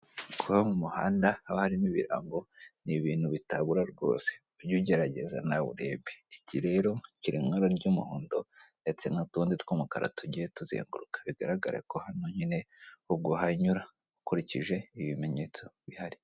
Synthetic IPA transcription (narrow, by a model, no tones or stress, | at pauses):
kʰuβamumuha̰ːndahaβahaɾiniβḭɾa̰ŋɡo̞niβiːn̥huβitaβuɾaɾɡo̞̰ːse̥ | uɾɟuɟe̞ɾaɟe̞̰za̰naβṵɾe̞βeiciɾe̞ɾo̞ciɾimŋaɾaɾɟumṵhoːndo̞nde̞t͡se̞nutuːnditkomukaɾa̰tuɟijetuzḛːŋɡuɾukḁβiɡaɾaɡa̰ɾḛko̞hanoɲine̞ub̚ɡohaɲuɾa | ukuɾiciʒe̞iβime̞ɲe̞t͡so̞βihaɾi̥